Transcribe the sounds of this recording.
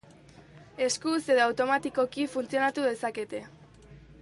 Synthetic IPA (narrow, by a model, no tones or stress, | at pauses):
e̞skuse̞ðoawt̪o̞mat̪iko̞kifunt͡sio̞nat̪uðe̞sake̞t̪e̞